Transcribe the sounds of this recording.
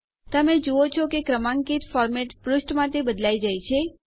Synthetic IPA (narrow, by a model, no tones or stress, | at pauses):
t̪əmed͡ʒuot͡ʃʰɔkekɾəmãŋkit̪fɔɾmeʈpɾʊsʈmãt̪ebəd̪laid͡ʒajt͡ʃʰe